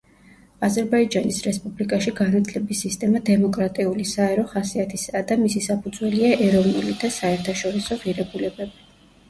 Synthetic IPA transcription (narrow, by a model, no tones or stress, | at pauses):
azɛɾbaid͡ʒanisɾɛspʼublikʼaʃiɡanat̪ʰlɛbisist̪ʼɛmad̪ɛmɔkʼɾat̪ʼiulisaɛɾɔχasiat̪ʰisad̪amisisapʰud̪zwɛliaʔɛɾɔvnulid̪asaɛɾt̪ʰaʃɔɾisɔʁiɾɛbulɛbɛbi